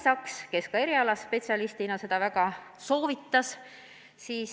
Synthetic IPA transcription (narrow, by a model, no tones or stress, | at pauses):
sɑkske̞skɑe̞ɾiɑlɑsːpe̞tʲsiɑlist̪inɑse̞d̪̥ɑvæɡɑ | so̞ːvit̪ˑːɑs | siːs